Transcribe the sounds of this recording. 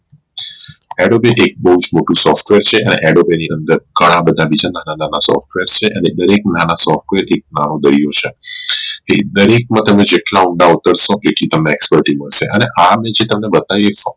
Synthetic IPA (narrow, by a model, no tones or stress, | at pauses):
ɛɽobeʔek̚bəɦud͡ʒmoʈũsɔfʈʋeɾt͡ʃʰeʔənḛʔɛɖobeniʔənd̪əɾɡʱəɽ̃ãbəd̪ʱabid͡ʒananananasɔ̰fʈʋeɾt͡ʃʰeʔəned̪əɾek̚nanasɔfʈʋeɾʔek̚nanod̪əɾijot͡ʃʰe | ɦed̪əɾek̚mãt̪əmed͡ʒeʈlauɳɖaut̪əɾʃõkekit̪əmneːkspəɾʈiməɭʃeʔəneʔamed͡ʒet̪əmnebət̪ajoefə